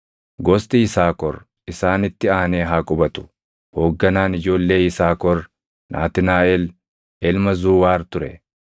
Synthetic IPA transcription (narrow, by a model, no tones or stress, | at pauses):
ɡɔst̪ʼɪɪsaːkɔɾ | ʔɪsaːnɪt̪ːɪaːneːɦaːkʼʊbɐt̪ʊ̥ | ho̞ːɡːɐnaːnɪd͡ʒo̞ːlːe̞ːɪsaːkɔɾ | nʔa̰ːt̪ɪnaːɛl | ɛlmɐzuːwaːɾt̪ʊɾɛ